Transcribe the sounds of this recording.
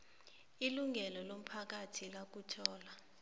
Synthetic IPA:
iluŋɛlɔlom̩pʰak̬atʰilak̬utʰɔːla

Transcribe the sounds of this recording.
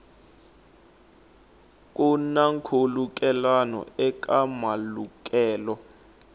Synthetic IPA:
k̬ʼunaŋkʰoluk̬ʼɛlanɔ̰ɛk̬ʼamaluk̬ʼɛːlɔ

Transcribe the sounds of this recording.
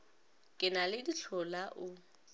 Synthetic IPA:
kʼɪnalɪdiɬʰɔlaʔʊ

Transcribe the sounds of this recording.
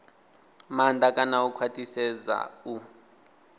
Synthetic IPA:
mandʱakʼanaukʰwatʼisɛza̰u

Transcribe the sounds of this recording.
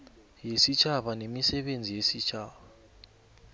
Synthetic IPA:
jesit͡ʃʰaɓanemisɛɓend͡zʱijesit͡ʃʰaːβa

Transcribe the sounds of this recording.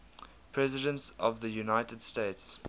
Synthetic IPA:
pʰɹɛzɪdə̃ntsɔvðəjunaɪtədsteɪts

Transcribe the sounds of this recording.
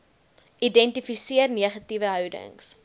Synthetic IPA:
ʔidɛntifisiərniəχɐtivəɦœwdə̰ŋs

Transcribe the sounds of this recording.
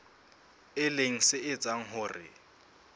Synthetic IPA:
ɪleŋ̩sɪɪt͡sʼaŋ̩ɦʊːrɪ̰

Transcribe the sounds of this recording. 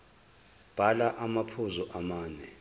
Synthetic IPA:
b̥ʱalaʔamapʰuzɔʔamaːnɛ

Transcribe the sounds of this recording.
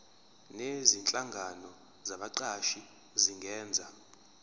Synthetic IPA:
nezint͡ɬʼaŋɡʱanɔ | zaɓaǀaʃi | ziŋɡɛːnd͡zʱa

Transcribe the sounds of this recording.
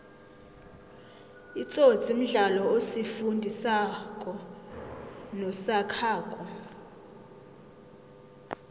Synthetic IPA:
it͡sʼo̥t͡sʼim̩ɮalɔosifundʱisakʼɔ | nɔsakʰaːkʼɔ

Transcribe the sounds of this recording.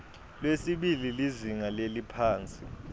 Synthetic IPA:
lwesiɓililiziŋalelipʰaːnt͡sʼi

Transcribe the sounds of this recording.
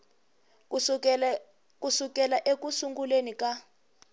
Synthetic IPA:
kusukɛlaʔekusuŋɡulenika

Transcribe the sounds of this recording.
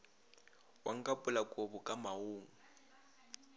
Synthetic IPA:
waŋ̩kʼapʼʊlakʼobʊkʼamaoːŋ̩

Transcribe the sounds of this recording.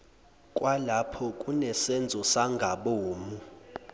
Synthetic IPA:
kʼwalapʰɔkʼunɛsɛnd͡zʱɔsaŋɡʱaɓoːmu

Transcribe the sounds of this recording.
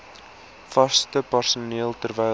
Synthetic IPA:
fɐstəpərsuniəlˠtərvɛj

